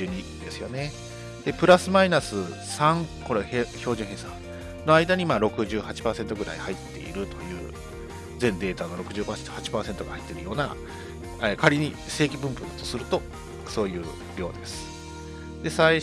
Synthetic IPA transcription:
ɨːɲ̟id̪e̞sɨjo̞̰ne̞ | d̪̥e̞pɯ̟ɾasɨmainasɨ | sãŋko̞ɾeço̞ːʑɨ̃ɦẽːsã | no̞aid̪aɲ̟imaːɾo̞kɯ̟ʑɨːhat͡ɕi̥paːsent̪o̞ɡɯ̟ɾa̰ihait̪ːe̞̰ḭɾɯ̟t̪o̞jɯ̟̰ː | d͡zẽ̞nd̪e̞ːt̪anoɾo̞kɯ̟ʑɨːpahat͡ɕi̥paːse̞nt̪o̞ɡahai̥t̪ːeɾɯ̟jo̞ːna̰ | ekaɾʲiɲ̟i | se̞ːkʲibɯ̃mpɯ̟nd̪at̪osɨɾɯ̟t̪o̞ | so̞ːjɯ̟ː | ɾʲjo̞ːd̪e̞sɨ̥ | d̪e̞sai

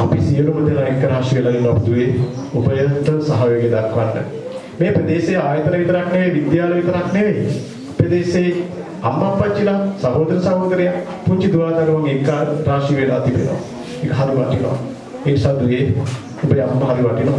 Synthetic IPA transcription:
apisijəlumət̪enaekːəɾaːʂiʋelɐɡinːoapud̪uje | ubɐjənt̪ənsɐɦaʋjeɡed̪akʰːʋanːə̰ | meːpɾəd̪eːsejaːjət̪ənɐʋit̪əɾakneʋeʋid̪jaːlɐʋit̪əɾakneʋe | ped̪eːse | amːakʋat͡ʃːilasamoːd̪ɐnsaboːkəɾeja | puɲt͡ʃid̪uʋaːt̪ɐɡəʋaŋekːaːɾɾaːʂiʋeɖaːt̪ipḛno̰ʋa̰ | ekəɦaɾiʋaʈino̰ʋa̰ | eːnisaːd̪uje | ubəamːəɦaɾiʋaʈinoʋa̰

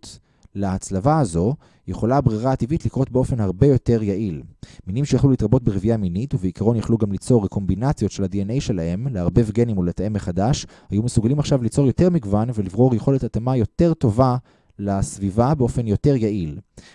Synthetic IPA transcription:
t | laːt͡slavaːzo̞ | je̞χo̞labʁiʁaːtivitlikʁo̞tbeo̞fe̞nhaʁbe̞jo̞te̞ʁjaʔilminimʃejaχlulit̪ʁabo̞t̚beʁevijaminituveikʰaʁo̞njaχluɡamlit͡so̞ʁeko̞mbinat͡sjo̞tʃe̞ladienejʃe̞lahe̞mleaʁbe̞vɡe̞nimolet̪aemːeχadaʃhajume̞suɡalimaχʃavlit͡so̞jo̞te̞ʁmiɡvanvelivʁo̞ʁjeχo̞letat̪amajo̞te̞ʁto̞va | lasvivabeo̞fe̞njo̞te̞ʁjaʔil

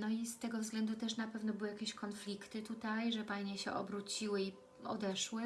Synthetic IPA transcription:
nɔist̪ɛɡɔvzɡlɛnd̪ut̪ɛʂnapɛvnɔbɘwɘjakʲeɕkɔnflʲikt̪ɘt̪ut̪ajʐɛpajɲɛɕɛ̰ʔɔ̰bɾut͡ɕiwɘi | ɔ̰d̪ɛʂwɘ

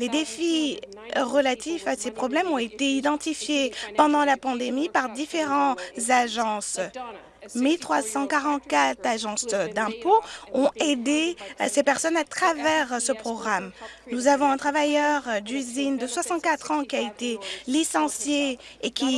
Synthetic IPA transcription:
led̪efi | ʁəlat̪ifasepχɔblɛmɔ̃et̪eid̪ɑ̃t̪ifjepɑ̃d̪ɑ̃lapɑ̃d̪emipaʁd̪ifeʁɑ̃zaʒɑ̃s | milt̪χwasɑ̃kaʁɑ̃t̪̚kat̪aʒɑ̃sd̪ɛ̃poɔ̃ed̪esepɛʁsɔnat̪χavɛʁsəpχɔɡʁamnuzavɔ̃ɛ̃t̪χavajœʁd̪yzind̪əswasɑ̃t̪̚kat̪χɑ̃kʲiaet̪elisɑ̃sjeːkʲi

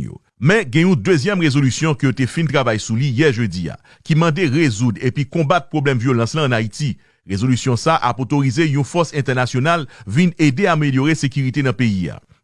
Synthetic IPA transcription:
o̰ | mɛ̃ɡɛ̃jũd̪øzjɛmʁezolysjɔ̃kəjot̪efĩnt̪ʁavajsulijɛʒød͡zia̰ | kimɑ̃d̪eʁezud̪ʁepikɔ̃bat̪̚pʁoblɛmvjolɑ̃slãːnait̪i | ʁezolysjɔ̃saʔapot̪oʁizejũfɔsɛ̃t̪ɛʁnasjonalvined̪eameljoʁesekyʁit̪enɐ̃peia̰

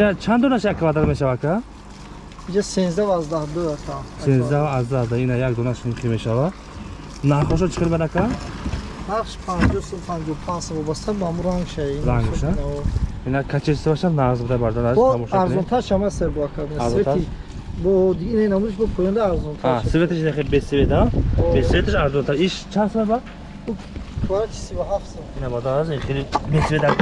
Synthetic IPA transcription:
inat͡ʃʰand̪ɔnaʃjakʰːavad̪aɾmeʃavakʰa | id͡ʒasenzd̪avazd̪ahd̪oat̪ʰasenzd̪avazd̪ahd̪ainajakd̪ɔnaʃmχimeʃava | naχɔʃ̬ɔt͡ʃʰi̥χelmed̪akʰa | baχʃpʰand͡ʒɔhsɔpʰand͡ʒɔpʰãnzsavɔbast̪ʰabamuɾaŋʃaizaŋɡɡʃinaɔinakʰat͡ʃʰiɾsibaʃanaʁzbud̪abaɾd̪anabɔamɔʃaɾzɔnt̪ʰaʃamaseɾbɔakʰabinaːsɾzɔet̪ai | bɔd̪iɡinainamud̪iʃ̬bɔpʰɔjɔnd̪aːɾzɔnt̪ʰaaʃsivet̪ʰiʃinaχebesived̪aɔbesivet̪ʰiʃaɾzɔnt̪ʰaɾiʃt͡ʃʰansmaba | u | kʰvaɾat͡ʃʰi̥sivuɦaft̪sɔinabad̪aziχelibesved̪a

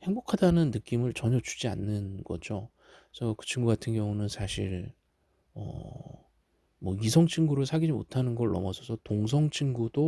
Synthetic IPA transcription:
he̞ŋbokʰadanɯnːɯk͈imɯɭt͡ɕʌɲʌt͡ɕu̥d͡ʑia̰nːɯnɡʌ̰d͡ʑo | sʰʌkɯ̥t͡ɕʰiŋɡuɡatʰɯnɡjʌŋunɯnsʰaɕʰiɾ | ʌ̰ | mwʌisʰʌŋt͡ɕʰiŋɡuɾɯɭsʰaɡid͡ʑimo̰tʰanɯnɡʌɭːʌ̰mʌsʰʌsʰʌtoŋs̬ʰʌŋt͡ɕʰiŋɡudo

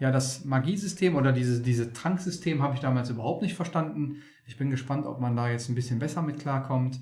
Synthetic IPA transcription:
jaːdasmaɡiːzʏstʰeːmʔoːdɐdiːzəsd̥iːzətʁ̥aŋkz̥ʏstʰeːmhaːbəɪçd̥aːmaːlsʔyːbɐhaʊp̚tnɪçtfɛɐʃtandn̩ | ʔɪçb̥ɪnɡəʃpantʔɔ̰p̚mandaːjɛt͡stn̩bɪsçənbɛsɐmɪtkʰl̥aːɐkʰɔmt

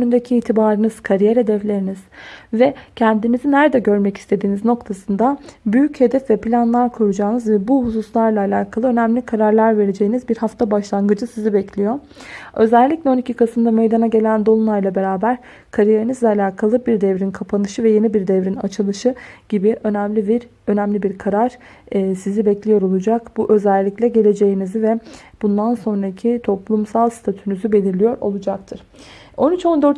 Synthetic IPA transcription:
nynd̪ecʰiːt̪ʰibaːɾɯnɯz̥kʰaɾijeɾed̪ɛvlʲe̞ɾiniz̥vɛcʰɛnd̪imizinæɾd̪ɛɟø̞ɾmɛci̥st̪ʰe̞d̪iːnizno̞kt̪ʰasɯnd̪abyjyche̞d̪ɛfvɛplʲanlˠaɾkʰoɾud͡ʒaːnɯzvɛbuhususlˠaɾlˠaːlʲaːkʰalˠɯø̞næmlʲikʰaɾaɾlˠaɾve̞ɾed͡ʒe̞jinizbiɾhaft̪ʰabaʃlˠaŋɡɯd͡ʒɯsizibɛcʰlʲijo̞ | ø̞zɛlʲːiclʲɛo̞nicʰikʰasɯnd̪ame̞jd̪anaɟe̞lʲænd̪o̞lˠunlˠaɾlˠabe̞ɾaːbæɾ̥ | kʰaɾijeɾɯnɯzlɛalʲaːkʰalˠɯbiɾd̪ɛvɾinkʰapʰanɯʃɯvɛje̞nibiɾd̪ɛvɾina̰t͡ʃʰɯlˠɯʃɯɟ̥ibiʔø̞næmlʲibiɾ | ø̞næmlʲibiɾkʰaɾaɾ̥ː | sizibɛclʲijo̞ɾo̞lˠud͡ʒakb̥uʔø̞zælʲːicʲlʲɛɟe̞lʲe̞d͡ʒe̞jinizivɛb̥und̪anso̞nɾacʰit̪ʰo̞plˠumsalˠst̪ʰat̪ʰynyzybe̞lʲiɾlʲijo̞ɾo̞̰lˠud͡ʒak̚t̪ʰɯɾ̥ | o̞nyt͡ʃo̞nd̪øɾt̪

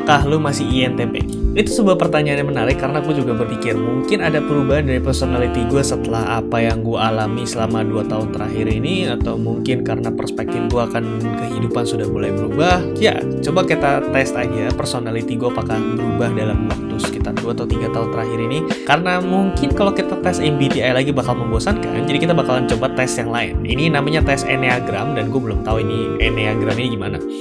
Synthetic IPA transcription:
kaɦlumasɪiɛnt̪epḛ | it̪usəbuapərt̪aɲaːnɲjamənaɾɪkːaɾənaɡuad͡ʒuɡabərpikɪrmuŋkɪnadapəɾubaɦandaɾipərsonalit̪iɡuasət̪əlaha̰pajaŋɡuaalamisəlamaduat̪aʊnt̪əɾaɦiɾiniat̪awmuŋkɪnkaɾənapərsə̥pɛk̚t̪ɪnɡuaːkan | kəɦidupansudahbulajbəɾubah | ja̰ | t͡ʃobakit̪at̪ɛst̪ad͡ʒapərsonalit̪iɡuaːpakahbəɾubahdalamwak̚t̪ʊskit̪arduat̪awt̪iɡat̪aɦʊnt̪əɾaɦiɾinikaɾənamuŋkɪnkalowkit̪at̪ɛsɛmbit̪iajlaɡibakalməmboasanka̰nd͡ʒadikit̪abakalant͡ʃobat̪ɛst̪jaŋlaɪnnḭninamaɲat̪ɛseneaɡɾamdanɡuabəlʊmt̪auini | eneaɡɾaminiɡimana

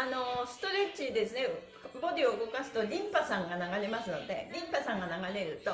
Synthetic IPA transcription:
ano̞sɨ̥t̪o̞ɾe̞t͡ɕid̪e̞sɨne | bo̞d̪ʲioɯɡo̞kasɨ̥t̪o̞ɾʲĩmpasãŋɡanaɡaɾe̞masɨno̞d̪e̞̰ɾʲĩmpasãŋɡanaɡaɾe̞ɾɯ̟t̪o̞

